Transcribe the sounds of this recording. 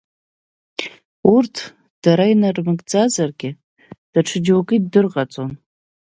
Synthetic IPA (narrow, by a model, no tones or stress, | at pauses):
urtʰ | d̥aɾainarmɨɡʼd͡zazarɡʲɪ | d̥aʈ͡ʂʰɨd͡ʒwokʼidɨrʁat͡sʼon